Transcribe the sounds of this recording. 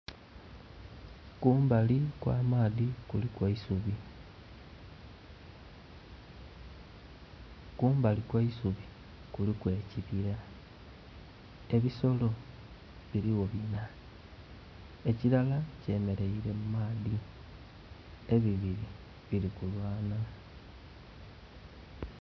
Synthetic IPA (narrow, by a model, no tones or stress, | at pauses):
kuːmbalikwa̰ːmaːðikulikwaisuβi | kuːmbalikwaisuβi | kulikwe̞ːciβiɾa | e̞βiso̞lo̞ | βiliwo̞βina | e̞ciɾalace̞me̞ɾe̞iɾe̞mumaːði | e̞βiβiɾi | βilikulwaːna